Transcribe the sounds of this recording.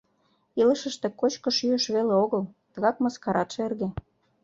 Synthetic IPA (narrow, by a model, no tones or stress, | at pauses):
ilə̆ʃə̆ʃt̪ekot͡ɕkoʃyøʃβeleoɣəlt̪ə̆ɣɑkməskɑɾʔɑt̪ʃerɣe